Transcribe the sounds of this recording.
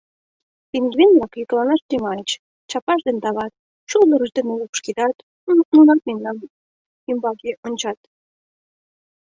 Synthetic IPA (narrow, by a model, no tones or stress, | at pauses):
piŋɡβenblɑkjik̪lɑnɑʃt̪imɑət͡ɕ | t͡ɕɑpɑʃd̪ent̪ɑβɑt̪̚ | t͡ɕuld̪ə̆ɾə̆ʃd̪eneupʃked̪ɑt̪ | nunɑt̪̚mennɑn | ymbɑkeʔonʲt͡ɕɑt̪